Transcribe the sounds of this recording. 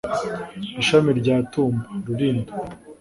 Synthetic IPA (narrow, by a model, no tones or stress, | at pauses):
iʃamiɾɟaːtuːmbaɾuɾiːnda